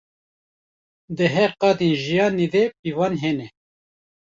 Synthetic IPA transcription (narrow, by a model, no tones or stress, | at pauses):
d̪əɦɛɾqɑːd̪enʒijɑːned̪epivɑːnɦeːnɛ